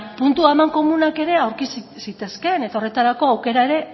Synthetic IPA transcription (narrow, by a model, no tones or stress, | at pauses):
punt̪uamaŋko̞munake̞ɾe̞awɾkissit̪e̞ske̞ne̞t̪ao̞re̞t̪aɾako̞awke̞ɾaeɾe̞